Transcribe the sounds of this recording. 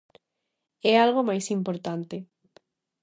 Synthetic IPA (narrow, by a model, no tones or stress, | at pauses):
ɛalɣ̞omajsimpoɾt̪ant̪ɪ